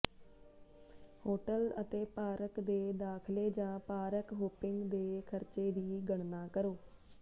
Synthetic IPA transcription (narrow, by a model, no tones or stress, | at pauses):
hoːʈələ̰t̪eːpaːɾəkd̪eːd̪aːkʰleːd͡ʒãːpaːɾəkɦoːpɪŋɡd̪eːkʰəɾt͡ʃeːd̪iːɡəɳnaːkəɾoː